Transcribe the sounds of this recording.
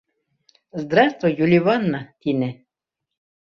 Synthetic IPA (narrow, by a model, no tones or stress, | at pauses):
zd̪ɾast̪vɔjulʲivanːat̪inɛ